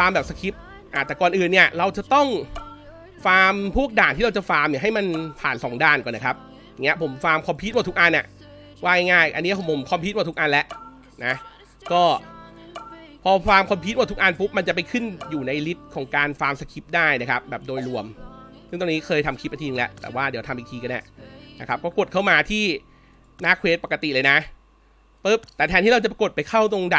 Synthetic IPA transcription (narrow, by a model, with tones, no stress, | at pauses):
faː˧mbɛː˨˩p̚sa˧kʰi˦˥p̚ | ʔa˧˩t̪ɛː˨˩kɔː˨˩nʔɯː˨˩nːi˥˩əɾa˧wt͡ɕa˨˩t̪ɔ˥˩ŋ | faː˧mpʰu˥˩ək̚daː˨˩nt̪ʰiː˥˩ɾa˧t͡ɕa˨˩faː˧mni˧˩ɦa˥˩jma˧npʰaː˨˩nsɔː˩˦ŋdaː˥˩nkɔː˨˩na˦kʰa˦˥p̚ | ja˨˩ŋːi˦˥ɐ˧pʰo˩˦mfaː˧mkʰɔ˧mpʰi˦˥t̪̚waː˧˩t̪ʰu˦˥kʔa˧nʔa̰˨˩ʔ | waː˥˩ŋa˥˩ŋaː˥˩jʔa̰˧nːi˦˥˩pʰo˩˦mʰo˩˦mkʰɔː˧mp̪̚ʰwa˥˧˩u˦˥kʔa˧nlɛ˦˥ʔ | na˦˥ | kɔː˥˩ | pʰɔː˧waː˧mkʰɔː˧mpʰi˦˥t̪̚wa˥˩u˦˥k̚ʔa˧npu˦˥p̚ma˧nt͡ɕa˨˩pa˧jkʰɯ˥˩njuː˨˩na˧jli˦˥t̪̚kʰɔː˩˦ŋkaː˧nfaː˧msa˧kʰi˦˥p̚daː˥˩jna˦˥kʰa˦˥p̚bɛː˨˩p̚doː˧jlu˧˩əmsɯ˥˩ŋt̪o˧ŋniː˦˥kʰɤː˧jt̪ʰa˧mkʰi˦˥p̚ʔt̪ʰiː˧lɛ˦˥ʔt̪ɛ̰ː˨˩waː˥˩di˨˩˦wt̪ʰa˧mʔi˨˩t̪ʰiː˧ka˧na̰˨˩na˦˥kʰa˦˥p̚kɔː˥˩ku˨˩ə˩t̚kʰa˥˩wmaː˧t̪ʰiː˥˩ | naː˦˥˩kʰweː˦˥t̪̚pa˨˩ka˧t̪i˨˩lɤː˧jna˦˥ʔ | pɤ˦˥p̚t̪ɛː˨˩t̪ʰɛ˧nt̪ʰiː˥˩ɾa˧wt͡ɕa˨˩p̚ɾa˧ko˨˩t̪̚pa˧jkʰa˥˩wt̪o˧ŋda˨˩